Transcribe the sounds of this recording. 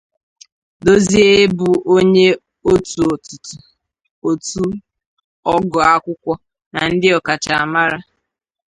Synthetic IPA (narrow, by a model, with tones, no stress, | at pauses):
do˦zi˦e˦bu˨o˦ɲe˦ | o˦tu˨tʊ˨tʊ˨ | o˨tu˦ | ɔ˦ɡɔ˨a˦kʷʊ˦kʷɔ˦ | na˨n̩˦dɪ˦ɔ˨ka˨t͡ʃa˨a˨ma˦ɾa˦